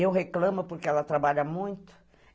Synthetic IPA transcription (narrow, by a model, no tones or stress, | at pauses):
ewɦeklɐ̃mʊpoɾkɪɛlɐt̪ɾabaʎɐmũj̃t̪ʊ̥